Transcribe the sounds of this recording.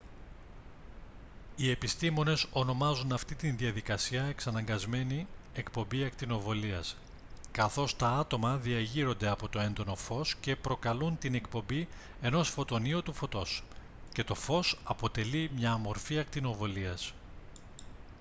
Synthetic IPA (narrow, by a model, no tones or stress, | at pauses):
ie̞pist̪imo̞ne̞so̞no̞mɐzunɐft̪it̪inðiɐðikɐsiɐe̞ksɐnɐŋɡɐzme̞ni | e̞kpo̞mbiɐkt̪ino̞vo̞liɐs | kɐθo̞st̪ɐɐt̪o̞mɐðiɐʝiɾo̞nd̪e̞ɐpo̞t̪o̞e̞nd̪o̞no̞fo̞sce̞pɾo̞kɐlunt̪ine̞kpo̞mbi | e̞no̞sfo̞t̪o̞niot̪ufo̞t̪o̞s | ce̞t̪o̞fo̞sɐpo̞t̪e̞limɲɐːmo̞ɾfiɐk̚t̪ino̞vo̞liɐs